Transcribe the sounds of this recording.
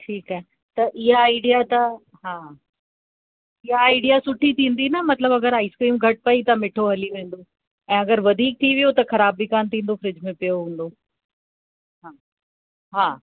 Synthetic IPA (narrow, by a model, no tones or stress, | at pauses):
ʈʰiːkaːɦɪ | t̪ɐʔɪɦaːɪɖijat̪ɐ | ɦaː | ɪɦaːɪɖijasʊʈʰit̪ʰĩːn̆d̪inɐmɐt̪ləbɐɡəɾaːɪskɾiːmɡʱɐʈ̚pɐit̪ɐmɪʈʰoɦɐliʋẽːn̆d̪o | ɛ̃ːɐɡəɾʋɐd̪ʱiːk̚t̪ʰiʋijot̪ɐxɐɾaːbːʱikaːnt̪ʰĩːn̆d̪ofɪɾɪd͡ʑmẽpijoɦũːn̆d̪oː | ɦaː | ɦaː